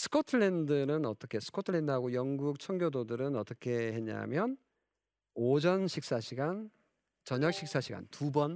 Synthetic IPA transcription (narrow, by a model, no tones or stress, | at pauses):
sʰɯ̥kʰotʰɯɭendɯɾɯnʌt͈ʌkʰe̞sʰɯ̥kʰotʰɯɭe̞ndɯɦaɡojʌŋɡuk̚t͡ɕʰʌŋɡjododɯɾɯnʌt͈ʌkʰe̞he̞ɲa̰mjʌn | od͡ʑʌnɕʰik̚s͈aɕʰiɡan | t͡ɕʌɲak̚ɕ͈ʰik̚s͈aɕʰiɡa̰ntubʌn